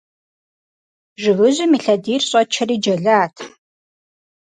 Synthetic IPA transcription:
ʒɪɣɨʑɪmiːɬɐdiːrɕʼɐt͡ʃʰɐriːd͡ʒɐɮaːtʰ

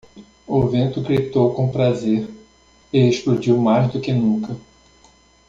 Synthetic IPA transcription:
ʊvẽnt̪ʊɡɾit̪owkõpɾazeɾ | ɪeʃplud͡ʒiwmajzd̪ʊkɪnũkɐ

